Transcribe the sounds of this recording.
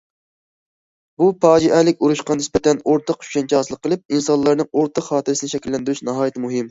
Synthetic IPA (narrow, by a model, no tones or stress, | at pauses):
bupɑːd͡ʒiʔɛlɪkʲuɾuʃqɑnɪspɛt̪ʰɛnoɾt̪ʰəqy̥ʃɛnt͡ʃʰɛɑːsɨlˠəqʰːəlˠɨp̚insɑnlˠɑɾnɨŋoɾt̪ʰəqχɑːt̪ʰɨɾɨsɪnɪʃɛkʲilːɛnd̪ɪɾyt͡ʃnɑɦɑːjit̪ʰɨmuɦɪm